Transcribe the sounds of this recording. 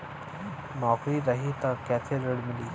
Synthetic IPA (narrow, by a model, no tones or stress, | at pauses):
nɔːkɾiɾɐɦit̪ɐkɛːt̪ʰeɾəɽmɪliː